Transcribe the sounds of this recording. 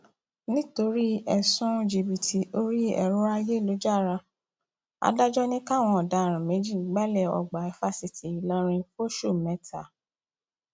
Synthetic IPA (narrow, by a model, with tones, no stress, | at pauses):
nĩ˦to˧ɾi˦ɛ˨sũ˦d͡ʒi˧bi˨tʰi˨o˦ɾi˦ɛ̰˧˨ɾũ˦a˧je˦˨lo˨˦d͡ʒa˦˨ɾa˧ | a̰˨˦da˦d͡ʒɔ˦nĩ˦ka˦˨w̃ɔ̃˧ɔ˨da˨˦˨ɾ̃ĩ˨me˨˦d͡ʒi˦˨˦ɡ͡ba˦lɛ˦˨ɔ̰˨ɡ͡ba˨ɛ˦fa˦˨si˨tʰi˨i˨lɔ̃˦ɾ̃ĩ˧fo˦ʃu˦˨mɛ˨˦tʰa˦˨